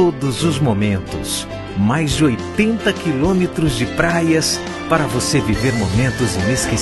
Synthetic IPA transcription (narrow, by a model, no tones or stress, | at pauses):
od̪ʊzʊzmomẽnt̪ʊ̰s | majzd͡ʒɪojt̪ẽnt̪ɐkilõmet̪ɾʊzd͡ʒɪpɾajɐs | paɾɐvoseviveɾmomẽnt̪ʊzẽeske